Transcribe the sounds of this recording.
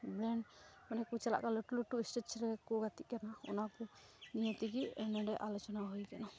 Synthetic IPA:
bɾɛɳɖmanɛkut͡ʃɛla̰ʔkalɔʈuluʈuisʈet͡ʃɾɛkɔɡat̪iʔkanaɔ̰nakɔ | nijɔt̪iɡiɛɳɛɳɖɛʔalɔt͡ʃɔnaɦojkɛna

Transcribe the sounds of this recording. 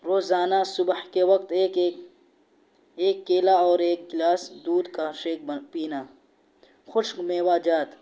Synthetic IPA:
ɾoːzaːnasʊbhkewɐk̚t̪ː | eːkːeːlaɔːɾeːkːlaːsd̪uːd̪kaʃeːk̚piːna | xʊʃmeːwaːd͡ʒaːt̪

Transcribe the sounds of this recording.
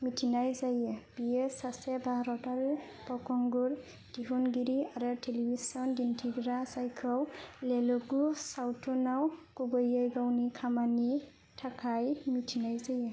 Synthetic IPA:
mitʰinajzajɛb̥iesasɛbʱaɾɔtal | pɔkɔŋɡuɹ | d̥iɦunɡiɾiaɾatʰelibisɔndintʰiɡɾasajkʰɔwlelɔɡusawtʰɔnawkubɔjajɡawnikʰamani | tʰakʰajmitʰinajzajɛ

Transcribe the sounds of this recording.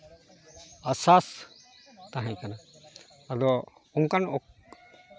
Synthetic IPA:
asas | t̪aɦãjkanaː | d̪ɔ | uŋkanɔk

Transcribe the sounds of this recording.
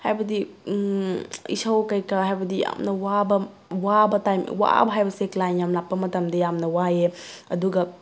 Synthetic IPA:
hajbɐdi | ḭsawkɐjkɐɦajbɐdija̰mnɐwabɐ | wabɐtajm̰wa̰bɐɦajbɐseklajnjamlapːɐmɐtɐmdɐjamnɐwajeɐduɡɐ

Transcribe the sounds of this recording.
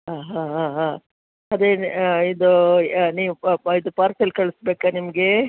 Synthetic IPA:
ɦaːɦaːɦaɦaː | ɐd̪eid̪uniːʋuid̪upaːɾsɐlkɐɭusbeːkanimɐɡe

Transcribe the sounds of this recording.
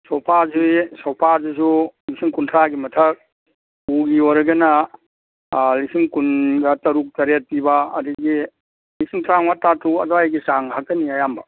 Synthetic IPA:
sɔwpʰazisɔwpʰazisulisiŋkuntʰɾaɡimɐtʰɐk̚ | uɡioɾɐɡɐna | lisiŋkunɡɐtɐɾuk̚tɐɾet̚pibaɐ̰diɡi | lisiŋtʰɾaŋwatatʰuɐdɔajɡisaŋɦak̚tɐniajambɐ̰

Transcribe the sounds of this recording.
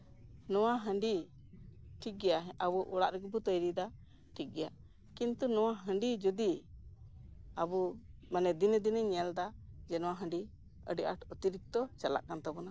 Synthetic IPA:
nɔwaɦəɳɖi | ʈʰik̚ɡɛjaɦɛʔabɔʔuɽaʔɾɛɡɛbut̪əjɾid̪a | ʈʰik̚ɡɛja | kint̪unɔwaɦəɳɖid͡ʒud̪i | abumanɛd̪inəd̪inəɲɛld̪ad͡ʒɛnɔwaɦəɳɖi | ə̰ɖiʔaʈut̪iɾik̚t̪ɔt͡ʃala̰ʔkant̪abɔna

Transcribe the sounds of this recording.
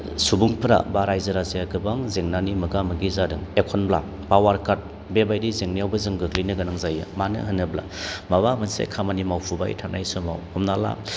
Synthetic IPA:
subuŋpʰɾa̰baɾajzɯɾazeaɡɯbaŋzeŋnanimɯɡamɯɡizadɯŋekʰɔnbla | pawaɾkaɾt̚ | bebajdizeŋnijawbɐzɯŋɡɯklinɯɡɐnaŋzajɯ̰manɯ̰ɦɯnːɯbla̰ | maβamɯnsḛkʰamanimawpʰuba̰jtʰana̰jsɯmawhɔmnala̰

